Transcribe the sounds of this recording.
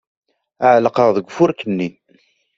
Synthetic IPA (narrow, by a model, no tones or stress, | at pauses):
əʕləqəʁðəɡʷfʊɾkənːi